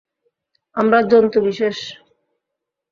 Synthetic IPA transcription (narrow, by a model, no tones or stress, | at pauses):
amɾad͡ʑɔnt̪obiʃeʃ